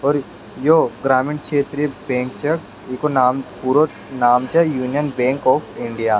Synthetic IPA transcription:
ɔːɾ | joɡɾaːmiɪɳt͡ʃʰeːt̪ɾibẽːŋkt͡ʃɐ | ikonaːmpuːɾo | naːmt͡ʃɐjuːnijənbẽːŋkɔːpʰɪ̃ɳɖijaː

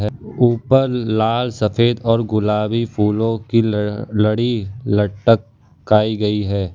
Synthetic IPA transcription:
uːpəɾlaːlsɐfeːd̪ɔːɾɡʊlaːbipʰuːlõkilɐɽilɐʈːəkː | aːiɡɐiɦɛː

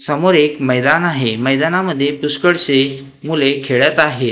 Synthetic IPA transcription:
səmoɾekməjd̪anaɦeməjd̪anaməd̪ʱːjepuskəɽse | mulekʰeɭjat̪aɦe

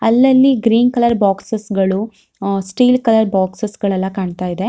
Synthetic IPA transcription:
ɐlːɐlːiɡɾiːnkɐlɐɾbaːksɐsɡɐɭu | sʈiːlkɐlɐɾbaːksɐsɡɐɭɛlːɐkaːɳt̪aːjid̪e̞

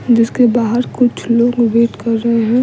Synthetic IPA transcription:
d͡ʒɪskebaːɦəɾkʊt͡ʃʰloːɡbeːʈkɐɾːəɦeɦɛ̃

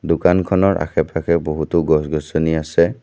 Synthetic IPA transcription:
dʊkankʰɔnɔɹʔa̰xɛpakʰɛboɦutʊɡɔsɡɔsoniasɛ

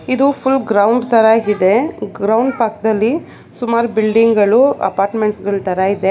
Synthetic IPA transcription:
id̪upʰulɡɾɐwɳɖt̪ɐɾaːɡid̪eɡɾɐwɳɖpaːk̚d̪ɐlːi | sumaːɾubilɖiŋɡɐɭuɐ̰paːɾʈmeɳʈsɡɐɭut̪ɐɾaid̪e

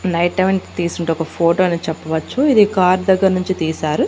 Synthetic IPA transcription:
nɐjʈɐʋiɳʈt̪iːsuɳʈeɔkɐpʰoːʈoːɐniːt͡ʃɛpːɐʋɐt͡ʃːuid̪ikaːɾd̪ɐɡːɐɾnuɲt͡ʃit̪iːsaːɾu

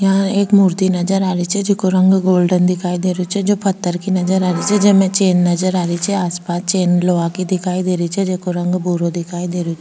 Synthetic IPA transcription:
jɐɦãeːkmuːɾt̪inɐd͡ʒəɾaːɾit͡ʃʰɛd͡ʒɪkoɾɐ̃ŋɡɡoːlɖənd̪ɪkʰaːid̪eːɾut͡ʃʰɛd͡ʒoːpʰɐt̪ːəɾkinɐd͡ʒəɾaːɾit͡ʃʰɛd͡ʒɐmẽt͡ʃeːnːɐd͡ʒəɾaːɾit͡ʃʰɛaːspaːst͡ʃeːnloːãkid̪ɪkʰaːid̪eːɾit͡ʃʰɛd͡ʒekoɾɐ̃ŋɡbuːɾod̪ɪkʰaːid̪eːɾut͡ʃ

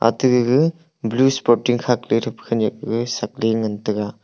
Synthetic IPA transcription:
a̰tɯɡɯɡɯ | bluspɔtiŋkʰakliɾɯpʰkʰɯnak̚ɡɯsak̚leŋɐntɯɡa

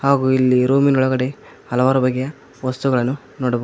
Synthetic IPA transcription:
haːɡuilːiɾoːminɔɭɐɡɐɽe̞ | hɐlɐʋaːɾɐbɐɡɛjɐ | ʋɐst̪uɡɐɭɐnːu | noːɽɐbo

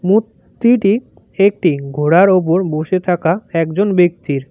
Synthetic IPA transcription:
mut̪ːiʈi | ek̚ʈiɡʱoɽaɾop̬oɾboʃet̪ʰakaɛkd͡ʑonbek̚t̪iɾ

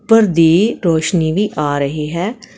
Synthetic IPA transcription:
pəɾd̪iːɾoːʃniːʋiːʔaːɾəɦiːɦɛː

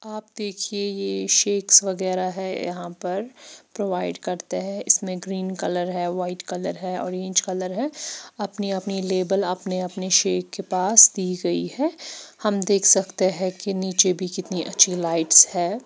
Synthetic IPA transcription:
aːp̚d̪eːkʰiejeʃeːksʋɐɡɛːɾaɦɛjɐ̰ɦãpɐɾpɾoːʋaːɪɖkɐɾt̪eɦɛ̃ɪ̰smẽɡɾiːnkɐləɾɦɛːʋaːɪʈkɐləɾɦɛɔ̰ːɾẽːɲt͡ʃkɐləɾɦɛɐpniɐpnileːbəlɐpneɐpneʃeːkːepaːsd̪iːɡɐḭhɛːhɐmd̪eːkʰsɐkt̪eɦɛ̃keniːt͡ʃebʱikɪt̪niʔɐtːʃʰilaːɪʈshɛː

